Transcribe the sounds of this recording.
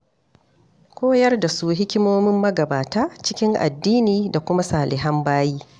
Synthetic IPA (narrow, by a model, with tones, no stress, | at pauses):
kʷoː˦jɐ˦rda˨su˦ɦɪ˦kʲɪ˦moː˦mɪ˦mːɐ˦ɡɐ˨baː˨taː˦t͡ʃɪ˦kʲɪ˦ŋʔa̰˨dːiː˦niː˨da˨kʷʊ˦ma˦saː˨lɪ˨ɦɐ˦mbaː˦jiː˦